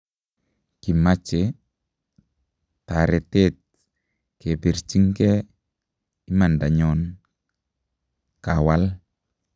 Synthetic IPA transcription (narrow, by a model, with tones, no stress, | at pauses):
ki˨mat͡ʃe | taɾɛ˨tet̚ | ke˨be˨ɾt͡ʃi˦ŋkɛ˦ | i˦ma˨nda˨ɲɔn | kawa˦l